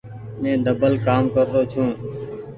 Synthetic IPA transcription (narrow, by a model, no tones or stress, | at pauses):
mẽːd̪əbəlkaːmkəɾt̪oːt͡ʃʰũː